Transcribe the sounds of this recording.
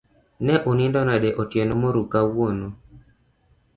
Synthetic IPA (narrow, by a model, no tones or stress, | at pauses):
nɛʔonindɔnadɛʔotjenomoɾukawono